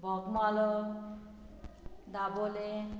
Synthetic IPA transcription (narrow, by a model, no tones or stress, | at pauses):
bʱɔɡmalo | d̪abole